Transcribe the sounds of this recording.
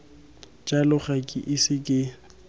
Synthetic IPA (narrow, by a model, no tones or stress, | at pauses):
t͡ʃʼalʊχakʼɪʔɪsɪkʼɪ